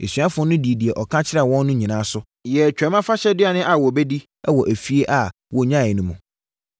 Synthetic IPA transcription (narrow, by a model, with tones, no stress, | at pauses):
e˨sɥa˦fʊ˦ʊ̃˦nʊ̃˦di˨di˨ɛ˨ʔɔ˨kʰã˦t͡ɕʰɪ˦ɾa˨wɔ̃˦nː˦ʊ̃˦ɲĩ˨nãː˨˦sʊ˦ | jɛ˨t͡ɕᶣɛ˨˦mã˦fa˦ɕɛ˦dɪ˦a˨nɪ̃˦ʔa˨wɔ˨bɛ˦di˦ | ɛ˦wɔ˨ʔæ˨fi˦e˦ʔa˨ | wɔ˨˦ɲã˦˨ɪ˨nʊ̃˦mṵ̃˨